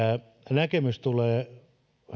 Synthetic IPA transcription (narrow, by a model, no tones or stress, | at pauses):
æ | nækemyst̪uleː | h